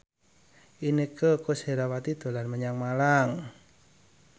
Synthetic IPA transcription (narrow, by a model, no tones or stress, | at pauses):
ʔinikəkosheɾawat̪id̪̥o̤lanməɲaŋmalaŋ